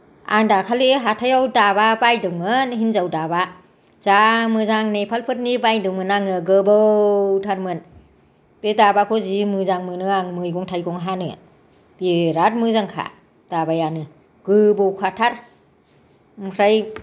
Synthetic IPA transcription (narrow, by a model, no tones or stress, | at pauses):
a̰ŋdakʰaleɦatʰajawdababajdɯŋmɯnɦinzawdaba | zamɯzaŋnepʰalpʰɯt̚nibajdɯŋmɯnaŋɯɡɯbɯtʰaɾmɯn | pedabakʰɔzimɯzaŋmɯnɯaŋmɯjɡɔŋtʰajɡɔŋɦanɯ̰ | b̥eɾat̚mɯzaŋkʰa̰ | d̥abajanɯ | ɡ̥ɯbɔkʰatʰaɾ | mkʰɾaj